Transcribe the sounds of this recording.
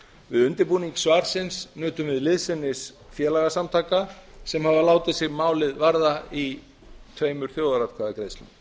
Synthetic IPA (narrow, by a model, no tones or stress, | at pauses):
vɪðʏnt̪ɪɾpuːniŋksvaːɾ̥sɪnsnœːt̪ʏmvɪðlɪðsɪnːɪs | fjɛːlaɣasamt̪ʰaːkasɛmhavalaːwt̪ɪðsɪɣmaːwlɪðvaɾðai | t̪ʰveːjmʏɾ̥θjoːwðaɾat̪kʰvaðakɾejst̪lɪ̰n